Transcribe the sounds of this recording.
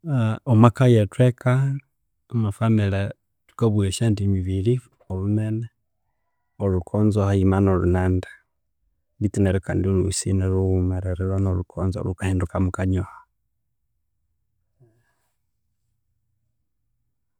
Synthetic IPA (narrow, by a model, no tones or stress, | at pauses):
omakajetwekʰa | mafamele | tu̥koβweʃendimiβili | olumene | olukʰoːnzohaimanolṵnaːndḁ | litineɾokaːndiluusḭneluumeɾeɾeɾwanolukʰoːnzo̰lukaheːndukamukaɲoha